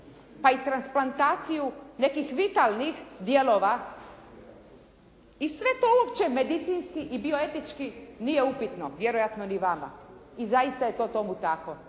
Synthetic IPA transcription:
pait̪ɾansplˠant̪aːt̪sijune̞kixʋit̪alnixd̪je̞lo̞ːʋa | isʋe̞t̪o̞uopt͡ɕe̞me̞d̪it̪sinskiʔibio̞e̞t̪it͡ʃkinije̞upit̪no̞ʋje̞ɾojat̪no̞niʋama̰izajist̪aje̞t̪o̞t̪o̞mut̪ako

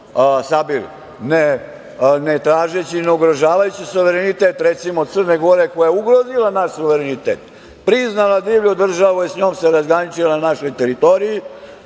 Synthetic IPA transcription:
sabil | ne | net̪ɾaːʒet͡ɕineuɡɾoʒaːʋajut͡ɕisuʋeɾenit̪et̪ɾet̪simod̪t̪sərneɡoɾekojajeuɡɾozilanaʃsuʋeɾenit̪eːt̪ | pɾiznalˠad̪iːʋʎod̪r̩ʒaʋuisɲo̞ːmseɾazɡɾanit͡ʃilananaʃo̞jt̪eɾit̪o̞ɾiji

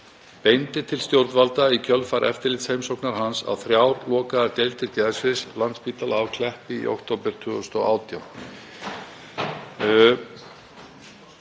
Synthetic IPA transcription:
pejnt̪ɪt̪ʰɪlst̪jowɾt̪valt̪aicʰœlfaɾʔɛ̰ft̪ɪɾlɪt̪shejmsowknaɾ̥ɦansa̰wθɾjawɾlɔːkaðaɾt̪ejlt̪ɪɾc̪aðɪsvɪslant̪spiːt̪alawkʰlɛhpɪḭʔo̰wkt̪ʰowpɪɾ̥t̪ʰʏʏst̪ɔɣaːwt̪jawn

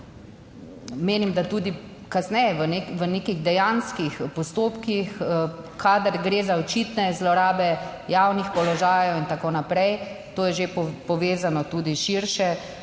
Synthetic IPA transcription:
meːnimd̪at̪uːd̪i | kasnɛjɛʋəneʋəneːkiɣd̪ɛjanskixpɔst̪oːpkixkad̪aɾɡɾeːzaɔt͡ʃit̪nɛzlɔɾaːbɛjaːwnixpɔlɔʒaːjɔwint̪akoːnapɾɛjt̪oːjɛʒepɔʋeːzanɔt̪uːd̪iʃiɾʃɛ

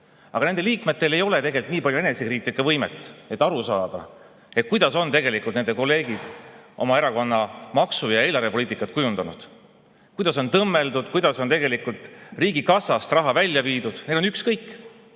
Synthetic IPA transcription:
ʔɑ̰ɡɑne̞nd̪e̞liːkme̞t̪ːe̞le̞jo̞le̞t̪e̞ɡe̞likt̪niːpɑljue̞nesekriːt̪likːˑɑvɤjmet̪ːˑe̞t̪ːˑɑɾusɑːd̪̥ɑ̰ | et̪̚kujd̪ɑso̞nt̪e̞ɡe̞likˑult̪nend̪eko̞lːe̞ːɡid̪̥ʔo̞mɑeɾɑko̞nːɑmɑksujɑe̞ːlɑɾve̞poliːt̪ˑikːˑɑt̪kujund̪ɑnud̪̥ | kujd̪ɑs̬o̞nt̪ɤmːe̞ld̪ud̪̥kujd̪̥ɑso̞nt̪e̞ɡe̞likult̪riːɡikɑsɑst̪rɑɦɑvælʲːjɑviːd̪ud̪̥ned̪lo̞nykskɤjkːˑ

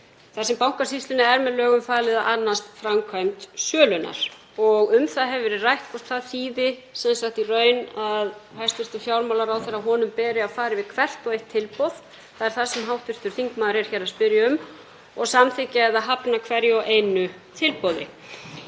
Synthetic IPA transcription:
θaðsɛmpawŋkasist̪lɪnɪɛɾmɛðlœːɣʏmfaːlɪðaʔanːast̪fɾamkʰvajmt̪sœːlʏna̰ɾ̥ | ɔɣʏmθaðɦɛvɛɾɪrajht̪kʰɔst̪θaðθiːðɪsɛnsaxt̪irœːɥnaðhajst̪vɪr̥t̪ʏfjawɾmawlaɾawθeɾaðɦɔːnʏmpɛːɾɪaðfaːɾɪvɪðkʰvɛr̥t̪ɔɣejht̪ʰːɪlpɔwð̥ | θaðɛɾ̥θasɛmɦawht̪vɪɾ̥t̪ʏɾ̥θiŋkmaːðɾɛɾ̥çɛɾaspɪɾjaʏm | ɔɣsamθɪcaɛðaðɦapnakʰvɛɾjɪɔʔeːjnʏ | t̪ʰɪlpɔðɪ̰

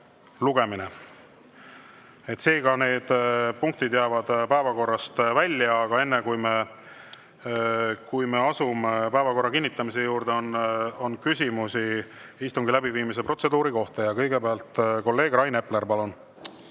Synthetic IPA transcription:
luɡ̥e̞minḛ | et̪se̞ːɡ̥ɑne̞ːd̪̥puŋk̚t̪id̪jæːvɑd̪̥pæevɑko̞rːɑst̪vælʲːjɑːɡ̥ɑe̞nːekujme | kujmeɑsumepæevɑko̞rːɑkinʲːit̪ːˑɑmise̞juːɾrd̪eononkysʲimusi | ist̪uŋɡ̥ilæbiviːmis̬e̞pro̞t̪se̞d̪uːɾiko̞ht̪ɑjɑkɤ̞jɡe̞beɑlt̪ˑko̞lːe̞ːɡ̥rɑjne̞ple̞ɾpɑlun

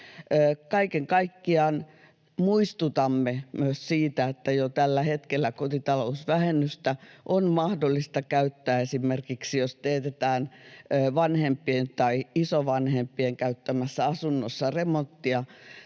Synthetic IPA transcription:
əːkɑikeŋkɑikːiɑːn | muist̪ut̪ɑmːemyøssiːt̪æet̪ːæjot̪ælːæhet̪kelːækot̪it̪ɑlousʋæhenːyst̪æʔonmɑhdolːist̪ɑkæyt̪ːæːesimerkiksijost̪eːt̪et̪æːnːʋɑnhempːˑient̪ɑiisoʋɑnhempːieŋkæyt̪ːæmæsːæɑsunːosːɑremont̪ːiɑ

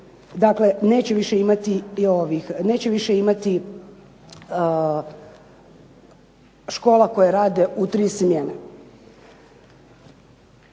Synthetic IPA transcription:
d̪aklene̞ːt͡ɕeʋiʃeimat̪ioʋixne̞ːt͡ɕeʋiʃeimat̪i | ʃko̞ːlako̞jaɾaːd̪e̞ut̪ɾiːsmjene

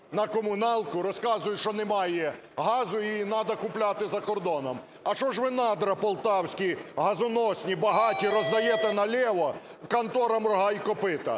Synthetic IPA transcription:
nɐkɔmʊnɑlˠkʊɾɔskɑzʊjʊʃt͡ʃɔnɛmɑjɛ | ɦɑzʊinɑd̪ɐkʊplʲat̪ɪzɐkɔrd̪ɔnɔm | ɐt͡ʃɔʒʋɪnɑd̪ɾɐpɔlˠt̪ɑwsʲkʲiɦɐzʊnɔsʲnʲibɐɦɑtʲiɾɔzd̪ɐjɛt̪ɛnɐlʲɛʋɔ | kɐnt̪ɔɾɐmrɔɦɑjkɔpɪt̪ɐ̰

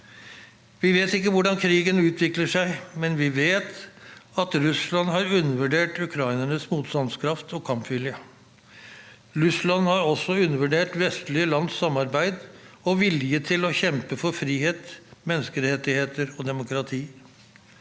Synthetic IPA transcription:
ʋɪʋeːt̪ɪkːəʋʊɖɑnkʰɾiːɡənʉːt̪ʰʋɪkləʂæɪmɛnʋɪʋeːt̪ɑt̪ɾʉslɑnhɑɾʉnːəʋʉɖeːʈʉkʰɾɑɪnəɳəsmuːt̪st̪ɑnskʰɾɑft̪ɔkʰɑmpʋɪljə | ɾʉslɑnhɑɾɔsːɔʉnːəʋʉɖeːʈʋɛst̪lɪəlɑnsːɑmːɑɾbæɪd̪ɔʋɪljət̪ʰɪlɔçɛmpəfɔɾfɾiːheːt̪mɛnːəskəɾɛt̪ːɪheːt̪əɾɔd̪ɛmʊkʰɾɑt̪ʰiː

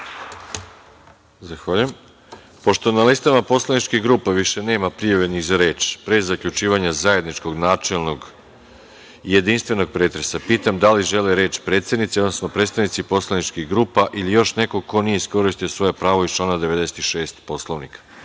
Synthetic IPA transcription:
zaxʋaːʎujem | po̞ʃt̪o̞nalist̪amapo̞slˠaʋnit͡ʃkixɡɾuːpaʋiʃe̞ne̞ːmapɾijaʋeniɣzaɾe̞ːt͡ʃpɾezakʎut͡ʃiːʋaɲazaje̞d̪nit͡ʃko̞ɡnaːt͡ʃelˠno̞ɡ | ije̞d̪inst̪ʋe̞no̞ɡ̚pɾe̞ːt̪ɾe̞sapiːt̪amd̪aliʒe̞leɾe̞ːt͡ʃpɾet̪sed̪nit̪siod̪nosnopɾet̪st̪aʋnit̪sipo̞slˠanit͡ʃkiɡɾuːpaʔilijo̞ʃne̞koko̞nije̞isko̞ɾiʃt̪ijosʋo̞jepɾaːʋo̞ist͡ʃlˠaːnad̪eʋe̞d̪ese̥t̪iʃe̞ːst̪po̞slˠoʋnikḁ

